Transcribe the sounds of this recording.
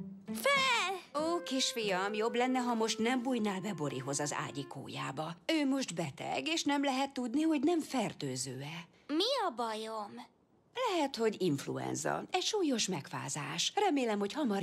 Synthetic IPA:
fɛloːkiʃfijɒmjo̞blɛnːɛɦɒmo̞ʃt̪nɛmbujnaːlbɛbo̞ɾʔiɦo̞zɒza̰ːɟiko̰ːja̰ːbɒøːmo̞ʒt̪bɛt̪ɛ̰ɡeːʃnɛmlɛɦɛt̪ːud̪niho̞ɟnɛɱfɛrt̪øːzøːɛ | miɒbɒjom | lɛɦɛt̪ho̞ɟiɱflṵɛ̰nzɒ̰ɛcʃuːjo̞ʃmɛkfa̰ːzaːʃrɛmeːlɛmho̞chɒmɒ

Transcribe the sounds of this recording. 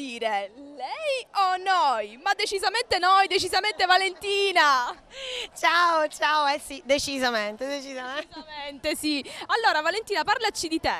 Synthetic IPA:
iːɾelɛjonːojmad̪ːet͡ʃizament̪enojd̪et͡ʃizament̪evalent̪iːna | t͡ʃaːot͡ʃaoɛsid̪et͡ʃizament̪ed̪et͡ʃizazment̪esialːoːɾavalent̪iːnaparlat͡ʃid̪it̪e

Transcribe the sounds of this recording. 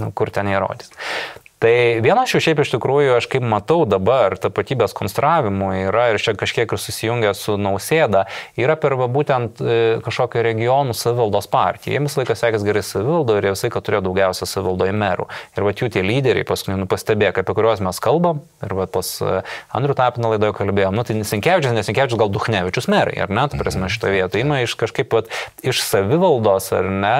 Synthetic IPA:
nʊkʊrt̪ʲɛniːɾo̰ːd̪ʲist̪ɐɪʋʲiɛnɐsjɛʊʃʲɛɪpɪʃʲt̪ʲɪkɾuːjʊɐʃkɐɪpmɐt̪ɐʊd̪ɐbɐrt̪ɐpɐt̪ʲiːbʲeːskoːnsʲt̪ɾɑːʋʲɪmʊiːɾɐɪrt͡ʃʲɛkɐʃʲkʲiɛkɪrsʊsʲɪjʊŋʲɡʲɛsʊnɐʊsʲeːd̪ɐiːɾɐpʲɛrʋɐbuːt̪ʲɛnt̪kɐʃkoːkʲʊɾʲɛɡʲɪjoːnusɐʋʲɪʋɐlˠd̪oːspɑrʲt̪ʲijɛ̰jɛmʋʲɪsɐlˠɐɪkɐsʲæːkʲɪsɡʲɛɾɐɪsɐʋʲɪʋɐlˠd̪oːɪɾjɛʋʲɪslˠɐɪkɐt̪ʊɾʲeːjoːd̪ɐʊɡʲɛʊsʲɛsɐʋʲɪʋɐlˠd̪oːɪmʲɛɾṵːɪɾʋɐt̪juːt̪ʲiɛlʲiːd̪ʲɛɾʲɛ̰ɪpɐskʊɪnʲɛnʊpɐsʲt̪ʲɛbʲeːjkɐpʲɛkʊɾʲoːsmʲɛskɐlˠbɐm | ɪɾʋɐposɐnd̪ɾʲuːt̪ɑːpʲɪnɐlˠɐɪd̪oːjʊkɐlʲbʲeːjoːmnʊt̪ɐɪnʲɛsʲɪŋʲkʲæːʋʲɪt͡ʃʲʊsnʲɛsʲɪŋʲkʲæːʋɪt͡ʃʊsɡɐlˠd̪ʊxnʲæːʋʲɪt͡ʃʲʊsmʲæɾɐ̰ɪɐ̰ɾnʲɛt̪ɐpʲɾʲɛːsʲmmʲɛʃʲɪ̥t̪oːjʋʲiɛt̪oɪɪnɐɪʃkɐʃkɐɪpʋɐt̪ɪʃsɐʋʲɪʋɐlˠd̪oːsɐ̰rnʲɛ

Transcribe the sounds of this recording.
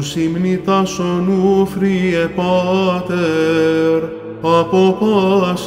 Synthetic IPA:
simnit̪asonufɾiɛpɑt̪ɛ | ɾ | apopɑs

